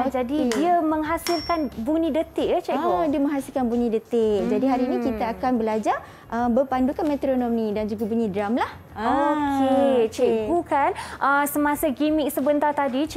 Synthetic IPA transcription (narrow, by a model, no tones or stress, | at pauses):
d͡ʒadidiaməŋɦasɪlkanbunĩdət̪ɪʔat͡ʃɛʔbudiəmə̃ŋɦasilkanbunĩdət̪ɪd͡ʒadiɦaɾiːnĩkit̪aːkanbəlad͡ʒar | ʔəmbəpandukanmɛ̃t̪ɾonɔmnidand͡ʒuɡabunĩdɾamlah | oket͡ʃɛʔbukanʔəsəmãsaɡimɪk̚səbənt̪art̪adi